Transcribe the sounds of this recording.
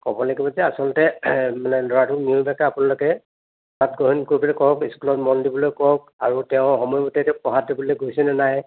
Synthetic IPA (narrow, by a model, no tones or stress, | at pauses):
kɔbɔlaɡibɔzɛasɔlɔtɛmanɛlɔɹatʰʊk̚niubɛkaapʊnalʊkɛ | at̚ɡɔɦinkɔɹibɔlɛkɔɦɔkiskulɔtmɔndibɔlojkɔk̚a̰ɹutɛʊ̃xɔmɔjbɔtɛtɛpɔɦat̚ibɔlojɡojsɛnɛnaj